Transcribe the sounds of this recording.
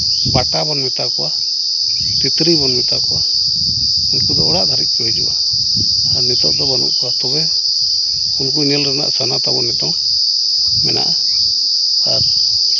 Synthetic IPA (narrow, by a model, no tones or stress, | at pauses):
paʈabɔnmit̪akɔwa | t̪it̪ɾibɔnmit̪akuwa | unkud̪ɔɔɽaʔd̪ʱaɾit̪̚pɛd͡ʒṵwa | aɾnit̪ɔʔd̪ɔbɔnṵʔkɔat̪ɔbɛ | unk̬uinəlɾɛna̰ʔsanat̪abɔnːit̪ɔŋ | mɛ̰na̰ʔa | aɾ